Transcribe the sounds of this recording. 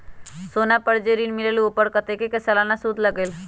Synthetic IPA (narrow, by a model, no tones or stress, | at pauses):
sonapəɽd͡ʑeɾiːnmileliopəɽkət̪ekekesəlanasuːd̪ləɡel